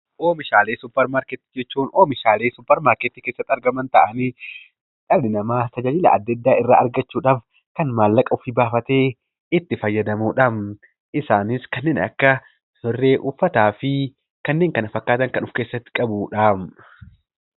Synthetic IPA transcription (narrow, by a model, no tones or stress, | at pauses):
ʔoːmɪʃaːleːsʊpːɐɾmaːɾkɛt̪ːɪd͡ʒɛt͡ʃːuːnoːmɪʃaːle̞ːsʊpːɐɾmaːɾket̪ːiːke̞ːsːɐt̪ːɐɾɡɐmɐnt̪ɐʔɐniː | ᶑ̪ʼɐlɪnɐmaːsɐd͡ʒɐd͡ʒɪlɐ̰ɐ̰d̪ːɐd̪ːaːʔɪrːa̰ːʔɐɾɡɐt͡ʃːuːᶑaːf | kɐnmaːlːɐkʼɐʊfɪbaːfɐt̪e̞ː | ɪt̪ːɪfɐjːɐd̪ɐmuːᶑɐm | ɪsaːnɪskɐnːe̞ːnɐ̰kːɐ | hɪrːeːʔʊfːɐt̪aːfɪ | kɐnːeːŋkɐnɐfɐkːaːt̪ɐŋkɐnʊfkeːsːɐt̪ːɪ̥kʼɐbuːᶑaːm